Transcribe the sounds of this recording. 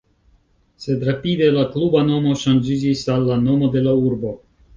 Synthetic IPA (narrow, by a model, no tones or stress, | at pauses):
se̞d̪ɾapid̪e̞laklubano̞mo̞ʃand͡ʒid͡ʒisalːano̞mo̞d̪e̞lauɾbo̞